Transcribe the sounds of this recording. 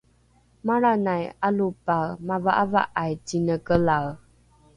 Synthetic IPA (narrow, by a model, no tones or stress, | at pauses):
maɾanajalupamavaʔava̰ʔajtinəkəlaw